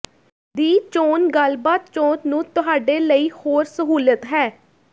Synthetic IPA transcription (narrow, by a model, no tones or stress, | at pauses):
d̪iːt͡ʃoːnɡəlbaːt̪̚t͡ʃoːnnũːt̪ʊɦaːɖeːləiːhoːɾsəɦuːlət̪ɦɛː